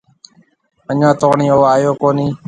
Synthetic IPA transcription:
əɲãːt̪oːɳĩːoːaːjoːkoːnĩː

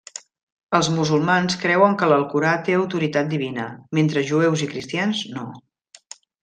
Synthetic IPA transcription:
əlˠzmuzulˠmanskɾɛwəŋkələlˠkuɾat̪eəwt̪uɾit̪at̪̚d̪iβinəment̪ɾəʒuewzikɾist̪janzno

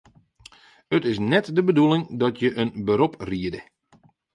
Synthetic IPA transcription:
ətɪs̬nɛtdəbədulɪŋdɔtʰjəʔənbəɾopriədə

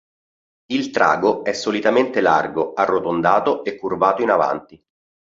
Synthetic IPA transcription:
ilt̪ɾʔa̰ːɡoɛsːolit̪ament̪ela̰rɡoarːot̪ond̪aːt̪oekːurbaːt̪oinava̰nt̪i

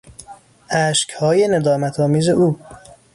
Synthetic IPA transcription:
ʔæːʃchɒːjened̪ɒːmæt̪ʰɒːmiːze̞ʔuː

